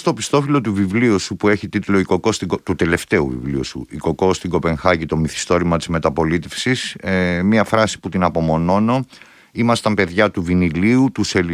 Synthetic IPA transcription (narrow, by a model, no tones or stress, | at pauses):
st̪o̞pist̪o̞filo̞t̪uvivliusupue̞çit̪it̪ulo̞iko̞ko̞st̪iɡot̪ut̪e̞le̞ft̪e̞ṵvḭvlḭusṵiko̞ko̞st̪iŋɡo̞pe̞ŋxɐʝit̪o̞miθi̥st̪o̞ɾimɐt̪izme̞t̪ɐpo̞lit̪e̞fsismɐfɾɐsi̥put̪inɐpo̞mo̞no̞no̞ | imɐst̪ɐmpe̞ðʝɐt̪uviniliut̪use